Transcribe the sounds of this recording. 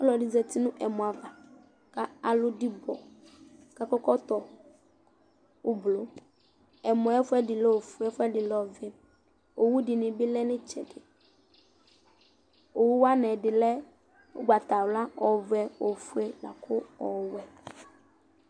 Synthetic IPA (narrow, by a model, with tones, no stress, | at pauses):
ɔ˦lɔ˨dɪ˨zɛ˨t̪i˦nʊ̃˦ʔɛ˨mɔ̃˨a˨va˨ | ka˦a˨lʊ˦dɪ˦bɔ˨ | ka˦kɔ˦kɔ˦t̪ɔ˨ | ʊ˨blo˨ | ɛ˨mɔ̃˨˦ɛ˦fʊ˦ɛ˦dɪ˨lɛ˦o˨fu˨˦ɛ˦fʊ˦ɛ˦dɪ˨lɔ˨vɛ˨ | o˨wu˦dɪ˨nɪ̃˨bɪ˦lɛ˦nɪ̃˦t͡ʃɛ˨dɪ˨ | o˨wu˦wa˦nɛ̃˨dɪ˨lɛ˦ | o̰˦ɡ͡ba˨t̪a˨wla˦ɔ˨vɛ˨o˨fu˦ɛ˦la̰˨kʰʊ˦ɔ˨wɛ˨